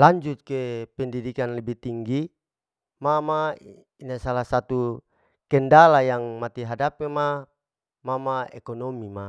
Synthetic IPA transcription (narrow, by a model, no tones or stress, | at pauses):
laɲd͡ʒut̪̚kepɛndidikanlɛbit̪iŋɡi | mama | inasalahsat̪u | kɛndalajaŋmat̪iɦadapema | mamaɛkɔnɔmima